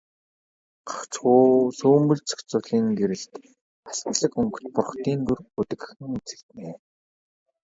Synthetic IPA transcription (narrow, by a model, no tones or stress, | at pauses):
ɢḁχt͡sχuːsuːmbɵ̆ɮt͡sʰœ̥kt͡sʊːɮiːŋɡeɾɘ̆ɮt̪ | ast̪ɮə̆kɵŋkɵ̥̆t̪pʊrχt̪iːnt̪urɵt̪ɘ̆kɘ̆xɘ̆ŋut͡sɘ̥̆kt̪neː